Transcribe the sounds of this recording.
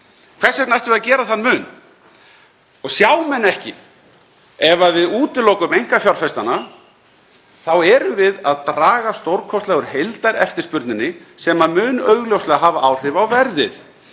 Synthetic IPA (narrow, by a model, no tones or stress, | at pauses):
kʰv̥ɛ̥sɛk̪najht̪vɪɾðacɛːɾaθanːmʏːn | ɔɣsjaːwmɛnːɛhcɪ̰ | ɛvavɪðuːt̪ɪlowkʏmejŋ̥kafjaɾfɛst̪ana | θawɛɾʏvɪðaðt̪ɾaːɣast̪owɾkʰɔst̪lɛɣʏɾ̥hejlt̪aɾɛ̰ft̪ɪɾ̥spʏɾt̪nɪnːɪsɛmamʏːnœːɥɣljowstlɛɣaɦaːvaʔawr̥ɪvawvɛɾðɪθ